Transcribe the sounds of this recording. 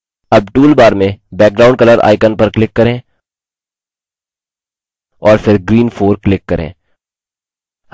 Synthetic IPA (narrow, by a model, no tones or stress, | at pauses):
ɐb̚ʈuːlbaːɾmẽbɛːk̚ɡɾaːʊ̃ɳɖkɐləɾa̰ːɪkənpɐɾklɪkːɐɾẽː | ɔːɾfɪɾɡɾiːnfʰoːɾklɪkːɐɾʔḛ̃ː